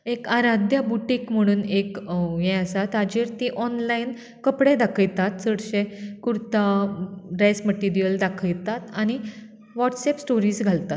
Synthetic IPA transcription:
ekaɾad̪ʱjəbuʈiːkm̤əɽ̃uːnekjɛ̃əsat̪ad͡ʑiɾt̪iʔɔnlajn | kəpɽed̪akʰəjt̪at̪səɽɕẽkuɾt̪aɾasməʈiɾijəld̪akʰəjt̪at̪aɽ̃i | ʋɔʈsɛpsʈoɾiːsɡʱalt̪at̪

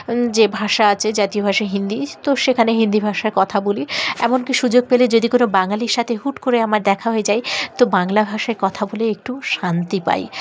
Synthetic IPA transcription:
d͡ʑebʱaʃaat͡ɕʰed͡ʑat̪iobʱaʃaɦind̪it̪oʃekʰaneɦind̪ibʱaʃaɾkɔt̪ʰaboliɛmonkiʃud͡ʑoɡ̚peled͡ʑod̪ikonobaŋaliɾʃat̪ʰeɦuʈkoɾeamaɾd̪ɛkʰaɦoed͡ʑajt̪obaŋlabʱaʃaeɾkɔt̪ʰaboleek̚ʈuʃant̪ipa̰j

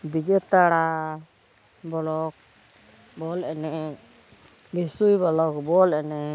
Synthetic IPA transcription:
bid͡ʒɛt̪aɽa | bɔlɔk̚ | bɔlɛnɛ | bisujbɔlɔkbɔlɛnɛ

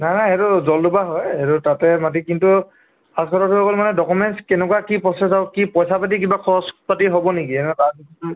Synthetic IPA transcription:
najnajeɾuzɔldubaɦɔjetutatɛmatikintu | askʰɔɾɔtʰuɔkɔlmanɛdɔkumɛnskɛnɛkwakipɔsɛsawkipɔjsapat̬ikibakʰɔspatiɦobɔnikiɛnɛkakikʰ

